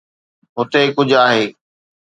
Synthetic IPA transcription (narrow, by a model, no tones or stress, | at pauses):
ɦʊt̪ekʊd͡ʑʱaːɦeː